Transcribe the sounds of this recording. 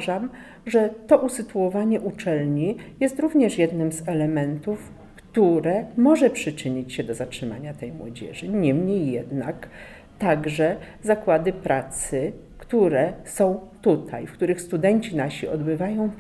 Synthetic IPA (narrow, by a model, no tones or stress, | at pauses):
ʐam | ʐɛt̪ɔʔusɘt̪uwɔvaɲɛʔut͡ʂɛlɲijɛst̪ɾuvɲɛʂjɛd̪nɘmzɛlɛmɛnt̪uf | kt̪uɾɛmɔʐɛpʂɘt͡ʂɘɲit͡ɕɕɛd̪ɔzatʂɘma̰ɲat̪ɛjmwɔ̰d͡ʑɛ̰ʐɘɲɛmɲejːɛ̰d̪nak | t̪aɡʐɛzakwad̪ɘpɾat̪sɘ | kt̪uɾɛsɔ̃w̃t̪ut̪ʰajfkt̪uɾɘxst̪ud̪ɛɲt͡ɕinaɕiɔd̪bɘvajɔ̃w̃